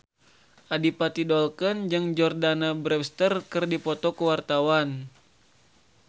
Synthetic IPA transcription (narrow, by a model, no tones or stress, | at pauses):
ʔadipat̪idɔlkənd͡ʒɨŋd͡ʒɔrdanabɾɛst̪ərkɨrdipɔt̪ɔkəwart̪awan